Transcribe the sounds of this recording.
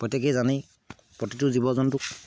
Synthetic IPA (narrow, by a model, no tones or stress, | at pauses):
pɔjtːɛk̬ɛzani | pɹɔtituzibɔzɔntʊk